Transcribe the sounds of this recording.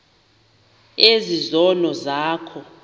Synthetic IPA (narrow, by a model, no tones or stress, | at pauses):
ezizɔlɔzaːkʰɔ